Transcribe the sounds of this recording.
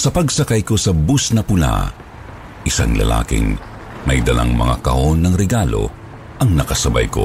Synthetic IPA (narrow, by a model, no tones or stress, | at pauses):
sɐpɐɡsɐkajko̞sɐbusnɐpʊla̰ | ʔɪsa̰ŋlɐ̰la̰ːkɪ̰ŋ | mɐjd̪ɐlʔa̰ŋmɐŋa̰kɐʔonːɐŋɾɛɡalo̞̰ | ʔɐŋnɐkɐsɐbajko̞̰